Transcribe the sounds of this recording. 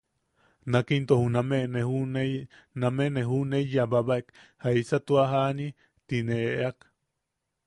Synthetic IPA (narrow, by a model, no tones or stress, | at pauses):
nakint̪ohunameʔnehune | nameʔneɦunejabaβaʔekhaisat̪uaɦani | t̪ineʔʔak